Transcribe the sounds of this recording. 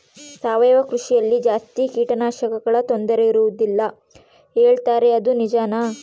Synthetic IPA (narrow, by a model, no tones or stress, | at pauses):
saːʋɛːʋɐkɾuʂijɐlːid͡ʒaːst̪ikiːʈɐnaːʃɐkɐɡɐɭɐt̪o̞nd̪ɐɾeiɾuʋud̪ilːɐ | e̞ːɭt̪aːɾe̞ɐd̪unid͡ʒaːna